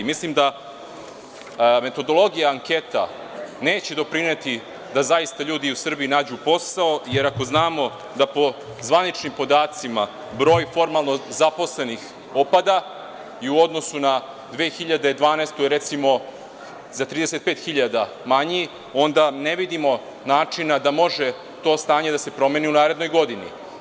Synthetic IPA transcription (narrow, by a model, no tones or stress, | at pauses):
mislimd̪a | me̞t̪o̞d̪o̞lˠo̞ɡijaaŋke̞t̪a | neːt͡ɕe̞d̪o̞pɾinet̪i | d̪azajist̪aʎuːd̪iusr̩biinaːd͡ʑupo̞sao̞je̞ɾako̞znaːmo̞ | d̪apo̞ | zʋanit͡ʃnimpo̞d̪aːt̪sima | bɾo̞ːjfo̞ɾmalˠno̞zapo̞sle̞nix | o̞pad̪a | iuo̞d̪nosuna | d̪ʋeːxiʎad̪eid̪ʋaːnest̪oiɾe̞t̪simo̞ | zat̪ɾiːd̪ese̞t̪̚peːt̪xiʎad̪a | maɲi | o̞nd̪aneʋid̪imo̞ | naːt͡ʂinad̪amo̞ʒe̞ | t̪o̞ːst̪aːɲe̞d̪ase̞pɾo̞meniunaːɾe̞d̪no̞jɡo̞d̪inḭ